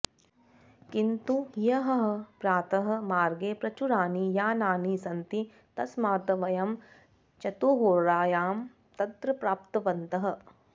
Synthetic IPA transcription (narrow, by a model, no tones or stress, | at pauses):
kint̪uɦijɐɦɐɦɐ̆pɾaːt̪ɐɦɐ̆maːɾɡeːpɾɐt͡ʃuɾaːnijaːnaːnisɐnt̪i | t̪ɐsmaːt̪ɐʋɐjɐm | t͡ʃɐt̪uːɦoːɾaːjaːm | t̪ɐt̪ɾɐpɾaːpt̪ɐʋɐnt̪ɐɦɐ̆